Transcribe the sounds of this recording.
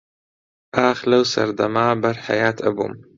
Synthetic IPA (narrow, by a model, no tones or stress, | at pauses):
ʔaːxlɐwsɐ̰ɾd̪ɐmaːbɐɾħa̰jaːt̪ʰɐ̰bṵm